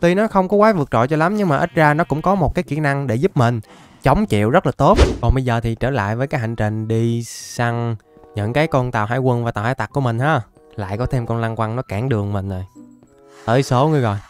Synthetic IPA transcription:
t̪i˧nɔ˨˦xə˧wŋ͡mkɔ˨˦kwaː˨˦vɨ˨˩ək̚t͡ɕɔ̰˧˨jt͡ɕɔ˧la˨˦mɲɨ˧ŋmaː˨˩ʔï˦˥t̚zaː˧nɔ˨˦kʊ̰˧˥ŋ͡mkɔ˨˦mo˨˩t̚kaː˨˦jki˧˩na˧ŋɗe˧˩zu˦˥p̚mï˨˩ŋ̟ | t͡ɕə˨˦wŋ͡mt͡ɕḭ˧˨əwzə˦˥t̚laː˨˩t̪o˦˥t̚kɔ˨˩nɓə˧jzəː˨˩t̪ʰi˨˩t͡ɕəː˧˩la̰ː˧˨jvəː˨˦jkaː˨˦jɦa˧˨˩jŋ̟t͡ɕï˨˩ŋ̟ɗi˧sa˧ŋɲɨ̰˧˥ŋkaː˨˦jkɔ˧nt̪a̰ː˨wɦa̰ː˧˥jkwə˧nvaː˨˩t̪aː˨˩haː˧˦jt̪a˨˩t̚ku˧əmï˨˩ŋ̟haː˨˧˥ | la̰ː˧˨jkɔ˨˦t̪ʰe˧mkɔ˧nla˧nkwa˧ŋnɔ˨˦kaː˧˩ŋɗɨ˨˩əŋmï˨˩ŋ̟zo˨˩j | t̪əː˧˩˦jso˨˦ŋɨ˧əɣɔ̰˨j

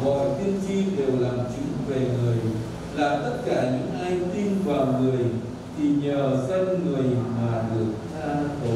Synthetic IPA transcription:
vɔ̰˧˨jt̪i˧ənt͡ɕi˧ɗe˨˩wlaː˨˩mt͡ɕɨ̰˧˨˦ŋve˨˩ŋɨ˨˩əj | laː˨˩t̪ə˦˥t̚kaː˧˩ɲɨ̰˧˥ŋʔaː˧jt̪i˧nvaː˨˩wŋɨ˨˩əj | t̪ʰi˨˩ɲəː˨˩sə˧nŋɨ˨˩əjmaː˨˩ɗɨ˨˩ək̚t̪ʰaː˧nt̪o˨˦

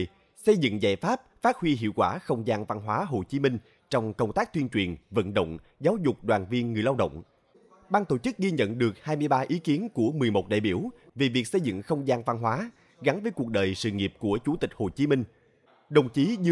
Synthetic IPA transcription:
sə˧jzɨ̰˧˨ŋzaː˧˩jfaː˦˥p̚faː˦˥t̚hwi˧ɦḭ˧˨əwkwaː˧˩xə˧wŋ͡mzaː˧ŋva˧nɦwaː˨˦ɦo˨˩t͡ɕi˨˦mï˧ŋ̟ | t͡ɕɔ˧wŋ͡mkə˧wŋ͡mt̪aː˦˥k̚t̪wi˧ənt͡ɕwi˨˩ənvə̰˧˨nɗə̰˧˨wŋ͡m | zaː˨˦wzʊ˨˩k͡p̚ɗwaː˨˩nvi˧ənŋɨ˨˩əjla˧wɗə̰˧˨wŋ͡m | ɓaː˧nt̪o̰˧˩t͡ɕɨ˦˥k̚ɣi˧ɲə̰˧˨nɗɨ˨˩ək̚haː˧jmɨ˧jɓaː˧ʔi˨˦ki˨˦ənku˧˩əmɨ˨˩əjmo˨˩t̚ɗa̰ː˧˨jɓi˧˩w | ve˨˩vi˨˩ək̚sə˧jzɨ̰˧˨ŋxə˧wŋ͡mzaː˧ŋva˧nɦwaː˨˦ | ɣa˨˦nvəː˨˦jku˨˩ək̚ɗəː˨˩jsɨ̰˧˨ŋi˨˩əp̚ku˧˩ət͡ɕu˧˩˦t̪i˨˩k̟̚ho˨˩t͡ɕi˨˦mï˧ŋ̟ | ɗə˨˩wŋ͡mt͡ɕi˨˦ɲɨ˧

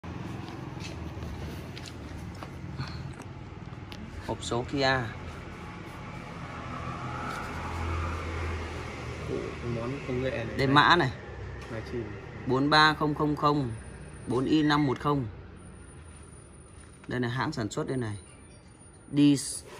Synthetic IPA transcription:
ho˨˩p̚so˨˦ki˧ʔaː˧ | ko̰˧˨˧mo˨˦nkə˧wŋḛ˧˨ɗə˨˧˩jma̰ː˧˥na˨˩jma˨˩t͡ɕi˧˩ɓo˨˦nɓaː˧xə˧wŋ͡mxə˧wŋ͡mxə˧wŋ͡mɓo˨˦nʔi˧na˧mːo˨˩t̚xə˧wŋ͡m | ɗe˧jna˨˩jɦa̰ː˧˥ŋsaː˧˩nswə˦˥t̚ɗe˧na˨˩j | ɗi˧s

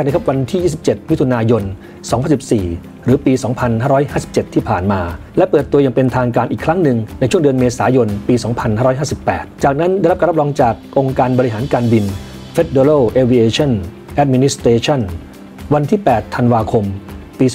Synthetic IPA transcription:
na˥˩kʰa˥p̚wa˧nt̪ʰiː˥˩jiː˥˩si˨˩p̚t͡ɕe˨˩t̪̚m˦˥t̪ʰu˧naː˧jo˧n | sɔː˩˦ŋpʰa˧nsi˨˩p̚siː˨˩ | ɾɯː˩˦piː˧sɔː˩˦ŋpʰa˧nhaː˥˩ɾɔː˦˥jɦaː˥˩si˨˩p̚t͡ɕe˨˩t̪ʰːiː˥˩pʰaː˨˩nmaː˧lɛ˦˥pɤː˨˩t̪ːu˧ɐja˨˩ŋpe˧nt̪ʰaː˧ŋkaː˧nʔiː˨˩kʰɾa˦˥ŋnɯ˧ŋna˧jt͡ɕʰu˥˩əŋdɯ˧nmeː˧saː˩˦jo˧npiː˧sɔː˩˦ŋpʰa˧nhaː˥˩ɾɔː˦˥jaː˥˩si˨˩pːɛ̰ː˨˩t̪̚t͡ɕaː˨˩k̚na˦˥nda˥˩˨ɾpkːɾ̚ɾɔː˧ŋt͡ɕaː˨˩k̚ʔo˧ŋkaː˧nbɔ˧ɾi˧˥ɦaː˩˦nkaː˧nbi˧n | fe˦˥t̪̚deː˧ɾoː˥˩ʔeː˧wi˧ʔeː˧t͡ɕʰɔ˥˩n | ʔɛ˦˥t̪̚mi˧ni˦˥st̪eː˧t͡ɕʰɔ˥˩n | wa˧nt̪ʰiː˥˩pɛː˨˩t̪ʰːa˧nwaː˧kʰo˧mpiː˧

